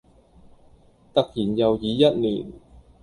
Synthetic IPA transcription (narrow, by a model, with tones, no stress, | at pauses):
t̪ɐ˨k̚jiː˨˩njɐ˨wjiː˨˧jɐ˥t̚nḭː˨˩n